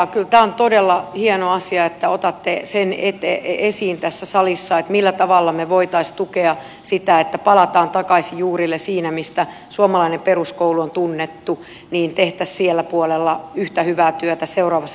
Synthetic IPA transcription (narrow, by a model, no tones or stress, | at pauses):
kylt̪æːont̪odelːɑhienoɑsiɑet̪ːæot̪ɑt̪ːesenet̪eesiːnt̪æsːæsɑlisːɑet̪milːæt̪ɑʋɑlːɑmeʋoit̪ɑist̪ukeɑ | sit̪æet̪ːæpɑlɑt̪ɑːnt̪ɑkɑisijjuːrilːesiːnæmist̪æ | suomɑlɑinemperuskouluont̪unːet̪ːu | niːnt̪eht̪æssielːæpuolelːɑyht̪æhyʋæːt̪yøt̪æseurɑːʋɑsː